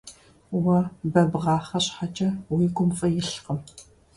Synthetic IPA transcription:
wɐbɐbʁɑːχɐɕʼħat͡ʃʼɐwiːɡʷʊmfʼɐjɪɬqəm

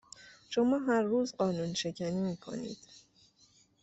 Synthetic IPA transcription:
ʃo̞mɒːɦæɾːuːzɢɒːnuːnʃe̞cʰæniːmiːkʰo̞̰nḭːd̪̥

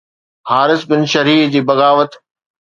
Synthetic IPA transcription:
haːɾɪsbɪnʃɐɾiːfd͡ʑiːbɐɣaːʋət̪

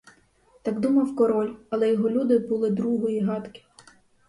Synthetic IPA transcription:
t̪ɑɡd̪umɐwkɔɾɔlʲɐlˠɛjɔɦɔlʲud̪ɪbulˠɪd̪ɾuɦɔjiɦɑt̪kɪ̥

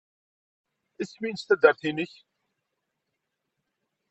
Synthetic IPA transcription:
æsminst̪æd̪əɾθinəç

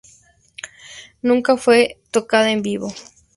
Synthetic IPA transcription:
nũŋkafwet̪okaðaembiβo

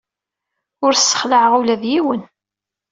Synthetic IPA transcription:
ʊɾsːə̥χləʕʁulæðjiwən

